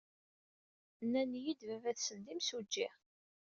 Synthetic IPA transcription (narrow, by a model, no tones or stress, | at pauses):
nːænjid̪vævæθsənd̪imsud͡ʒːɪʁ